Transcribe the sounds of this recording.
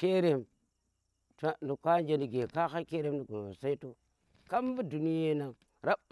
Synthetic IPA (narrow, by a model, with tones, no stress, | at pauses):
ke˦ɾe˦m | ta˦nu˨ka˦n˦d͡ʒe˦ni˨ɡe˨ka˦xa˦ke˦ɾe˦mdu˨ɡu˨no̰˨sa˦i˦to˦ | ka˦m˦bi˦du˨ni˦je˦na˨ŋ | ɾa˦b